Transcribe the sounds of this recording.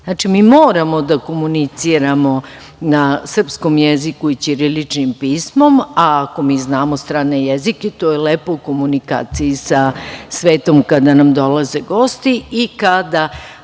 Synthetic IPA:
zat͡ʃimiːmoːɾamo̞d̪ako̞munit̪siɾamo̞ | nasr̩psko̞mjezikuit͡ɕiɾilit͡ʂnimpiːsmo̞maːko̞miːznaːmost̪ɾaːne̞jeziket̪oːjeleːpouko̞munika̰ːt̪sijisasʋeːt̪o̞mkad̪anamd̪o̞laze̞ɡo̞ːst̪iikad̪a

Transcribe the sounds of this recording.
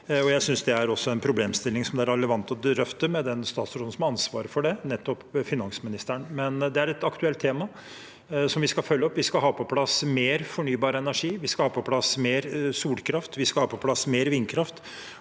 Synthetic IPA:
ɔjæɪsʏnsd̪ɛæɾɔsːɔɛnpʰɾʊbleːmst̪ɪlːɪŋsɔmd̪ɛæɾɛlːəʋɑnt̪ɔɾœft̪əmɛd̪ɛnst̪ɑ̰ːt̪sɾoːd̪n̩sɔmɑnsʋɑ̰ːɾəfɔɖɛnɛt̪ːɔpfɪnɑnsmɪnɪst̪əɳmɛnd̪ɛæɾɛt̪ɑkt̪ʉɛlt̪ʰːeːmɑ | sɔmʋɪskɑfœlːəɔpːʋɪskɑɦɑːpʰɔpʰlɑsmeːɾfɔɳyːbɑːɾəɛnæʂiːʋɪskɑhɑːpɔpʰlɑsmeːɾsuːlkʰɾɑft̪ʋɪskɑlhɑːpʰɔpʰlɑsmeːɾʋinkʰɾɑft̪

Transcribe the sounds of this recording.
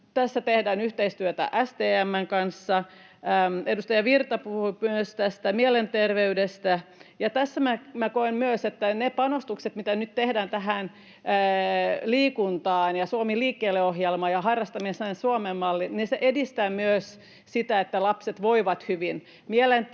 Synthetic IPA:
t̪æsːæt̪ehdæːnyht̪eist̪yøt̪æ̰ʔæst̪eːæmːæŋkɑnsːɑ | edust̪ɑjɑʋirt̪ɑpuhuimyøst̪æst̪æmielent̪erʋeydest̪æjɑt̪æsːæmæmækoemmyøset̪ːænepɑnost̪ukset̪mit̪ænyt̪t̪ehdæːnt̪æɦænː | liːkunt̪ɑːnjɑsuomiliːkːeːlːeoɦjelmɑːjɑhɑrːɑst̪ɑmiesænsuomemːɑlːinniseʔedist̪æːmyøs | sit̪æet̪ːælɑpset̪ʋoiʋɑt̪hyʋin | mielen

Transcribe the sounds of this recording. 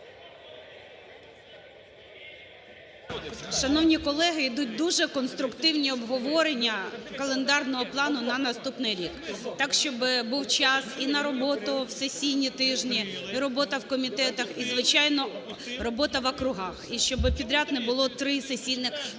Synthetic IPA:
ʃɐnɔwnʲikɔlˠɛɦɪid̪ut̚ʲd̪uʒɛkɔnst̪ɾʊkt̪ɪwnʲiɔbɦɔʋɔɾenʲːɐkɐlˠend̪ɑrnɔɦɔplˠɑnʊnɐnɐst̪upnɪjɾʲikt̪ɑkʃt͡ʃɔbɪbuwt͡ʃɑsinɐɾɔbɔt̪ʊwsesʲijnʲit̪ɪʒnʲiːɾɔbɔt̪ɐwkɔmʲit̪ɛt̪ɐxizʋɪt͡ʃɑjnɔrɔbɔt̪ɐʋɐkɾʊɦɑxiʃt͡ʃɔbɪpʲid̪ɾʲat̪nɛbʊlˠɔt̪ɾɪsesʲijnɪx

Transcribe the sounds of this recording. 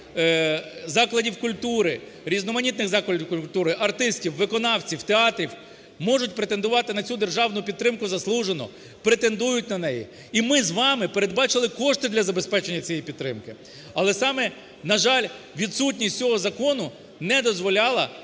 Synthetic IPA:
zɑklˠɐdʲiwkʊlʲt̪uɾɪ | ɾʲiznɔmɐnʲit̪nɪɣzɑklˠɐdʲiwkʊt̪uɾɪʔɐrt̪ɪstʲiwːɪkɔnɑwt͡sʲiwt̪eɑt̪ɾʲiw | mɔʐʊtʲpɾet̪e̞nd̪ʊʋɑt̪ɪnɐt͡sʲud̪erʒɑwnʊpʲid̪t̪ːɾɪmkʊzɐslˠuʒenɔ̰ | pɾet̪e̞nd̪ujʊtʲnɐnɛjḭ | imɪzʋɑmɪpe̞ɾe̞d̪̚bɑt͡ʃɪlˠɪkɔʂt̪ɪd̪lʲɐzɐbespɛt͡ʃenʲːɐt͡sʲijipʲid̪t̪ːɾɪ̰mkɪ | ɐlˠɛsɑmɛ | nɐʒɑlʲ | ʋʲid̪sutʲnʲisʲt͡sʲɔɦɔzɐkɔnʊ | nɛd̪ɔzʋɔlʲɑlˠɐ

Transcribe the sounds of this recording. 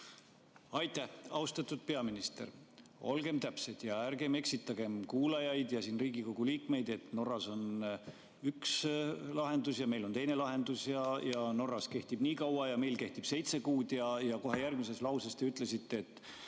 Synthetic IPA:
ɑjt̪ːˑæhɑwst̪ɑt̪ːud̪̥̚pe̞ɑminist̪e̞̰ɾo̞̰lɡ̥e̞mt̪æpse̞d̪̥jɑæɾɡe̞me̞ksit̪ːˑɑɡ̥e̞mkuːlɑjɑjd̪̥jɑsiːnriːɡiko̞ɡ̥uliːkme̞jd̪e̞t̪no̞rːɑso̞n | ykslɑɦe̞nd̪usjɑme̞jlo̞nt̪ejne̞lɑɦe̞nd̪usjɑjɑno̞rːɑske̞ht̪ib̥niːkɑwɑjɑme̞jlke̞ht̪ib̥se̞jt̪se̞kuːd̪̥jɑjɑko̞ɦe̞jærɡ̥mise̞slɑwsest̪e̞yt̪ːˑle̞sit̪ːe̞ːt̪ːˑ

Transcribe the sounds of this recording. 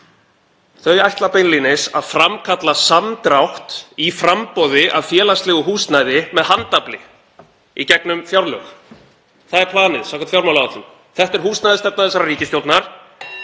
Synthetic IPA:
θœɥajht̪lapejnlinɪsa̰ðfɾamkʰat̪lasamt̪ɾawht̪ifɾampɔwðɪʔa̰ðfjɛːlast̪lɛːɣʏɦuːst̪naːjðɪmɛðhant̪aplɪ | icɛknʏmfjawɾlœ̰x | θaðɛɾ̥pʰlaːnɪðsakḁnt̪fjawɾmawlaɣaθṵ | θɛht̪ɛɾ̥huːsnajðɪst̪ɛpnaðɛsːaɾariːcɪst̪jowlt̪naɾ̥

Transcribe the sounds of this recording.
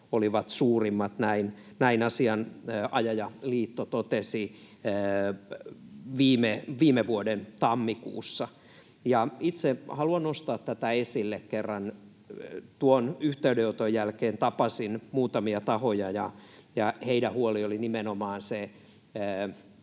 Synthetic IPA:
oliʋɑt̪suːrimːɑt̪næin | næinɑsiɑnːʔɑjɑjɑliːt̪ːot̪ot̪esi | ʋiːmeʋiːmeʋuodent̪ɑmːikṵːsːɑ | jɑit̪sehɑluɑnnost̪ɑːt̪t̪æt̪æesilːekkerːɑn | t̪uonyht̪eydeot̪ojjælkeːnt̪ɑpɑsinmuːt̪ɑmiɑt̪ɑhojɑjɑjɑheidæhuoliolinimenomɑːnseː

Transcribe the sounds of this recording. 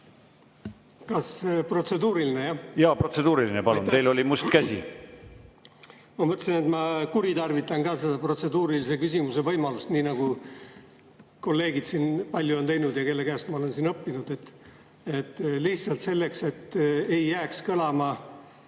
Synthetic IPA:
kɑspro̞t̪se̞d̪uːɾiline̞jɑjɑːpro̞t̪se̞d̪̥uːɾilinepɑlunejlo̞limust̪kæsʲḭ | mɑmɤt̪ːsine̞t̪mɑkuɾit̪ɑrvit̪ːˑɑnkɑːse̞d̪ɑpro̞t̪se̞d̪uːɾilise̞kys̬ʲimuse̞vɤjmɑlust̪niːnɑɡ̥u | ko̞lːe̞ːɡid̪̥siːnpɑlʲːjuo̞nt̪e̞jnud̪̥jɑke̞lːe̞kæːst̪mɑo̞le̞nsinɤpːinud̪̥e̞t̪ː | et̪ːliht̪sɑlt̪se̞lːe̞kse̞t̪ːe̞jːæːkskɤlɑmɑ

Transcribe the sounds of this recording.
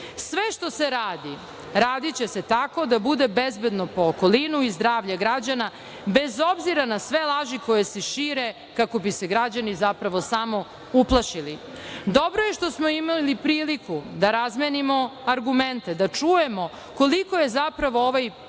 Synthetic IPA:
sʋeʃt̪o̞seɾaːd̪i | ɾaːd̪it͡ɕese̞t̪ako̞d̪abud̪e̞bezbe̞d̪no̞po̞ːkolinuizd̪ɾaːʋʎaɡɾad͡ʑana | be̞zo̞bziɾanasʋe̞lˠaʒiko̞jeseʃiːɾe | kako̞biseɡɾad͡ʑanizapɾaʋo̞samo̞ | uplˠaʃili | d̪obɾoje̞ʃt̪o̞smo̞imalipɾiːlikud̪aɾazmjenimo̞aɾɡument̪ed̪at͡ʃuje̞mo̞ | ko̞liko̞je̞zapɾaʋo̞oʋaj

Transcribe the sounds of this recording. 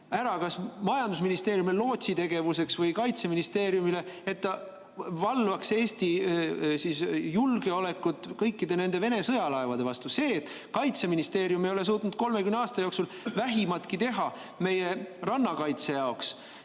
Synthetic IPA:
æɾɑkɑsmɑjɑnd̪usminist̪e̞ːɾjumillo̞ːt̪ʲsit̪e̞ɡ̥e̞vuse̞ksvɤjkɑjt̪se̞minist̪e̞ːɾjumile̞et̪ːɑ | vɑlvɑkse̞ːst̪isiːsjulɡ̥e̞o̞le̞kːˑut̪ːˑkɤjkːid̪̥e̞ne̞nd̪e̞ve̞ne̞sɤjɑlɑevɑd̪̥e̞vɑst̪use̞ːt̪ːˑ | kɑjt̪se̞minist̪e̞ːɾjumejo̞le̞s̬uːt̪nud̪̚ko̞lme̞kymneɑːst̪ɑjo̞ksul | væɦimɑt̪kit̪e̞ɦɑ | me̞jerɑnːɑkɑjt̪se̞jɑo̞ks

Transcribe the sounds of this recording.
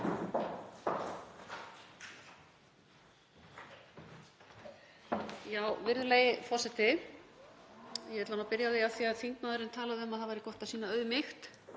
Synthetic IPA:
jaːwvɪɾðleːjɪfɔr̥sɛt̪ɪ | jɛɛt̪lanawpɪɾjaðejawθiːaðfiŋk̪naːðʏɾɪnt̪ʰaːlaðɪœmaðaðvajɾɪkɔht̪ḁsiːnaœðʏmɪxt̪

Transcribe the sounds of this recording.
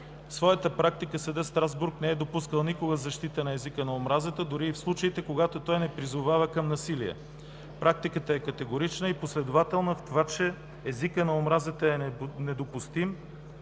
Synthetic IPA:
svɔjət̪əpɾak̚t̪ikəsəd̪əst̪ɾazbuɾknɛɛd̪opuskəlˠnikoɡəzɐʃt̪it̪ənɐɛzikənɐomɾazət̪əd̪ʊɾiːfslˠut͡ʃəit̪ɛkoɡat̪ot̪ɔjnɛpɾizʊvavəkɐmnɐsiliɛ̰ | pɾak̚t̪ikət̪əɛkɐt̪ɛɡoɾit͡ʃnəiposlɛd̪ʊvat̪ɛlˠnəft̪ovat͡ʃɛː | zikənɐomɾazət̪əɛnɛd̪opʊst̪im

